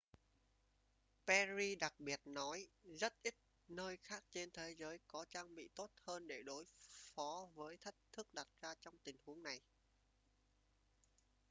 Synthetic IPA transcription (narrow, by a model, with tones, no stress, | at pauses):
pɛ˧zi˧ɗa˨˩k̚ɓi˨˩ət̚nɔ˨˦jzə˦˥t̚ʔi˦˥t̚ | nəː˧jxaː˦˥k̚t͡ɕe˧nt̪ʰe˨˦zəː˨˦jkɔ˨˦t͡ɕaː˧ŋɓḭ˧˨t̪o˦˥t̚həː˧nɗe˧˩ɗo˨˦jfɔ˨˦vəː˨˦jt̪ʰə˦˥k̚t̪ʰɨ˦˥k̚ɗa˨˩t̚z̥aː˧t͡ɕɔ˧wŋ͡mt̪ï˨˩ŋ̟hu˨˦əŋna˨˩j